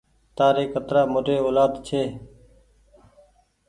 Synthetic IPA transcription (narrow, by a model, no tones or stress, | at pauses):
t̪aːɾeːkət̪ɾaːmoʈeːoːlaːd̪t͡ʃʰeː